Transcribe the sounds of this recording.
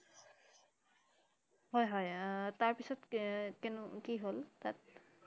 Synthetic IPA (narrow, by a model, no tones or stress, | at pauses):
ɦɔjɦɔjtaɹpisɔtkɛnʊkiɦoltat̚